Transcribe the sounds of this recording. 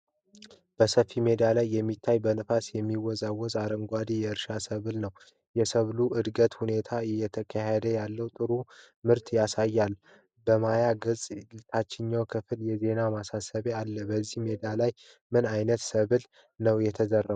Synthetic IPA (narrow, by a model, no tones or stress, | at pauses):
b̥əsəfime̞d̪alajːɛmːit̪ʰːajbənɨfasjɛmːiwɔzawɔzaɾəŋɡʷad̪ijɛɨɾʃasəβɨlnəw | jɛsəβluʔɨd̪ɡət̪hune̞t̪ʰaɪjːɛt̪ʰəkʰaɦed̪əjalːəwt̪ʼɨɾu | mɨɾt̪jasajːal | bəmajaɡɨzʼlɨt̪ʰat͡ʃːɪɲːawkʰɨfɨljɛze̞namasasəβealːəbəzːihme̞d̪alaj | mɨnajnət̪səβɨl | nəwjɛt̪ʰəzərːə